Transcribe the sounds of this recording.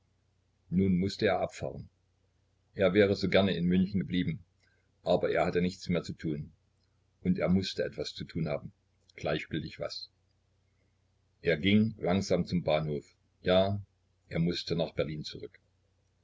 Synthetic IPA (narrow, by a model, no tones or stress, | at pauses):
nuːnmʊstəeːɐʔapfa̰ːʁən | ʔeːɐvɛːʁ̞əzoːɡɛɐnəɪnmʏnçn̩ɡəbliːbm̩ | ʔaːbɐʔeːɐhatənɪçt͡smeːɐt͡sutʰuːn | ʔʊntḛːɐmʊstəʔɛtv̥ast͡sutʰuːnha̰ːbm̩ | ɡ̥laɪçɡ̥ʏltɪçv̥a̰s | ʔeːɐɡɪŋlaŋzaːmt͡sʊmbaːnhoːf | jaː | ʔeːɐmʊstənaːχb̥ɛɐliːnt͡suʁʏk